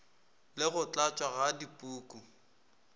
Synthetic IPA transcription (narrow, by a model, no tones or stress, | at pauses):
lɪɣʊt͡ɬʼat͡ʃʼwaɣadipʼuːkʼu